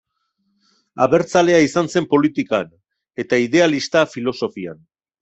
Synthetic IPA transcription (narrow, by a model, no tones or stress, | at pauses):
a̰βe̞ɾt͡sale̞aisanse̞mpo̞lit̪ikan | e̞t̪aiðe̞alist̪afilo̞so̞fia̰n